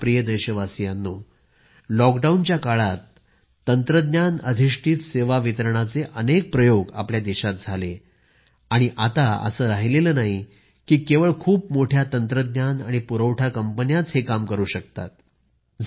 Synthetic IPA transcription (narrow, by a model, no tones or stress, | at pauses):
pɾijəd̪əjɕəʋasijanːo | lɔkɖaunt͡ɕjakaɭat̪ː | ənt̪ɾəd̪njanə̰d̪ʱiʂʈʰiːt̪seʋaʋit̪əɾɳat͡seʔənek̚pɾəjoɡa̰pljad̪iɕat̪̚d͡zʱale | aɽ̃iʔat̪aə̰səːɾaɦileləːnaɦi | kiːkeʋəɭkʰuːp̚moʈʰjat̪ənt̪ɾəd̪nanaɽ̃ipuɾəʋʈʰjakəmpənjat͡shekamkəɾuːɕəkt̪a̰t̪̚ | d͡z